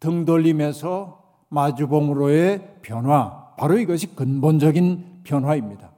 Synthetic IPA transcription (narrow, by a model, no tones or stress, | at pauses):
tɯŋdʌʎːimesʰʌ | mad͡ʑubʌŋɾoepʰjʌnɦwapaɾoiɡʌɕʰikɯnbond͡ʑʌɡinpjʌnɦwaimɲida